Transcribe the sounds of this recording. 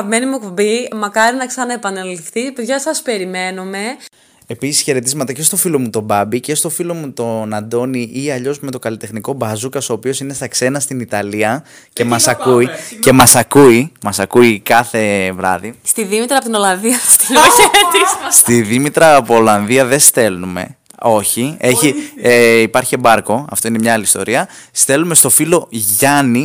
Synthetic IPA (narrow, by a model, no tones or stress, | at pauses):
ɐpme̞nimukobimɐkɐɾinɐksɐnɐepɐnelifθipeðʝɐsɐspe̞ɾime̞nume̞ | e̞pisi̥sçe̞ɾe̞t̪izmɐt̪ɐce̞st̪o̞filo̞mut̪o̞bɐbice̞st̪o̞filo̞mut̪o̞nɐnd̪o̞niʔiɐʎo̞zme̞t̪okɐlit̪e̞xniko̞bɐzukɐso̞ːpio̞sine̞st̪ɐkse̞nɐst̪init̪ɐliɐ | ce̞mɐsɐkuice̞mɐsɐkuimɐsɐkuikɐθe̞vɾɐ̰ðist̪iðimit̪ɾɐpot̪ino̞lɐnðiɐst̪ilumɐçet̪isst̪iðimit̪ɾɐːpoolɐnðiɐðe̞st̪e̞lnume̞̰ | o̞çie̞çieipɐɾçiebɐɾko̞ɐ̰ft̪o̞ine̞mɲɐɐliist̪o̞̰ɾiɐst̪e̞lume̞st̪o̞filo̞ʝɐni